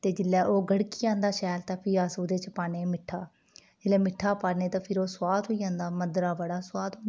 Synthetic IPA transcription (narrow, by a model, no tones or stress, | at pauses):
t̪eːd͡ʒɪlːɛːʔoːɡəɽkiːãːnd̪aːʃɛːlt̪ãːpʰiːaːsoːd̪eːt͡ʃəpaːneːmɪʈʰːaː | d͡ʒɪlɛːmɪʈʰːaːpaːɽneːt̪ãːpʰɪɾoːswaːd̪ɦoːiːjãːnd̪aːməd̪ɾaːʋəɽaːswaːd̪õn